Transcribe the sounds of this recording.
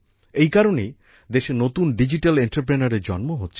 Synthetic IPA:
ejkaɾonḛj | d̪eʃenot̪unɖid͡ʑiʈaleɳʈaɾpɾenaɾeɾd͡ʑɔnmoɦotːɕʰ

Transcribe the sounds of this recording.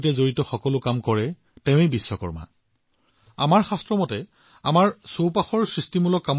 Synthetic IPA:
tɛzoɹitɔxɔkɔlʊkamkɔɹɛ | tɛʊ̃ejbisːɔkɔ̰ɹma̰ | a̰maɹxastɹɔmɔtɛ | amaɹsowpaxɔɹsɹistimulɔkːam

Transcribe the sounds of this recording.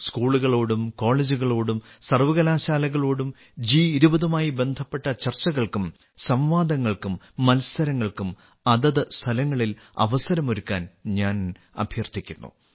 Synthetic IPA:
skuːɭuɣɐɭoːɽumko̞ːɭed͡ʑuɣɐɭoːɽumsɐrʋɐɣɐlaːɕaːlɐɣɐɭoːɽum | d͡ʑiːiɾubɐðumaːjibe̞nd̪ʱɐpːe̞ʈːɐt͡ɕɐrt͡ɕːɐɣɐɭkum | sɐmʋaːd̪ɐŋːɐɭkumː | ɐlɐsɐɾɐŋːɐɭkum | ɐðɐðɨst̪ʰɐlɐŋːɐɭil | ɐ̰ʋɐsɐɾɐmoɾukʲːaːnɲaːn | ɐ̰bʱjɐrt̪ikʲːunːṵ

